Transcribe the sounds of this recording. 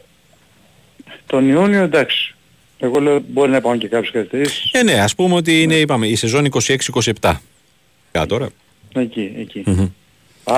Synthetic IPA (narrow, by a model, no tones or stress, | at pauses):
t̪o̞nioniod̪ɐksi̥ | e̞ɣo̞le̞obo̞ɾinɐpɐoce̞kɐpçeskɐlit̪eɾisi̥sene̞ɐspumeo̞t̪̬iine̞ipɐme̞ise̞zo̞niko̞sie̞ksiiko̞siept̪ɐ | ɐ̰t̪o̞ɾɐ | ecieci